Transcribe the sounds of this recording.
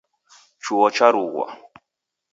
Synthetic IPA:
t͡ʃuwɔt͡ʃaɾuɣwa̰

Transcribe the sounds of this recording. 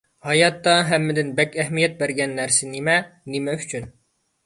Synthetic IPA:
hɑjɑt̪ːɑɦæmːɪd̪ɪnbɛkʲæɦmijɛt̪̚bæɾɡʲɛnːæɾsɪnimɛnimɛy̥t͡ʃʰyn

